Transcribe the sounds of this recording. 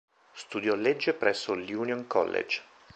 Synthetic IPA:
st̪ud̪jɔlːed͡ʒːepɾɛsːoljuːnjoŋkɔ̰lːḛd͡ʒ

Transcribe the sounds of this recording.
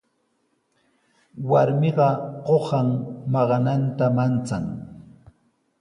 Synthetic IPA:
waɾmɪɢɑɢohɑŋmɑɢɑnant̪amant͡saŋ

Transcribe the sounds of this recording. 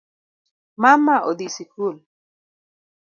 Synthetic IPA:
mamaʔod̪isikul

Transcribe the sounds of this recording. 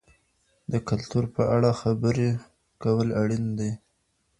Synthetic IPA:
d̪əkalt̪uɾpəʔaɽaxabəɾe | kawəlaɽind̪aj

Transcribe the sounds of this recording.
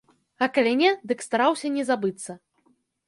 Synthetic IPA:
ɐkɐlʲɛnʲɛd̪ɨkst̪aɾawsʲɐnʲɛzabɨt̪sːɐ

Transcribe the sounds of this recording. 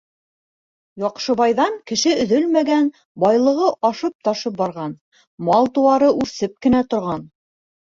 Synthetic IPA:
jɑqʃɤ̆βɑjðɑŋkɘ̆ʃɘɵ̆ðɵlmæɡæn | bɑjlˠɤ̆ʁɤʔɑʃɤp̚t̪ɑʃɤp̚bɑɾʁɑn | mɑlˠt̪uɑɾɤʔʉɾsɘp̚kɘ̆næt̪ŏɾʁɑn

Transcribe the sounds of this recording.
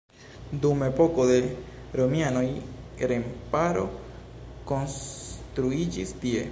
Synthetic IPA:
d̪umepokoðe | ɾomjanoiɾempaɾo̰ | konst̪ɾuid͡ʒisd̪je

